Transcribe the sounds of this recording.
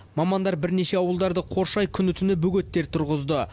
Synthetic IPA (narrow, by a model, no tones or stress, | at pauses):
mɑmɑnd̪ɑɾbɪɾne̞ʃe̞ɑwəlˠd̪ɑɾd̪əqʰo̞ɾʃɑjkʲʰʏnʏt̪ʰʏnɪbɵɡʲe̞t̪ːe̞ɾt̪ʰʊɾʁəzd̪ə